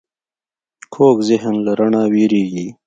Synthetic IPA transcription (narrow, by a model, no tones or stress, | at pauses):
kʰoːkzɪɦnlaɾaɳawiɾeɡi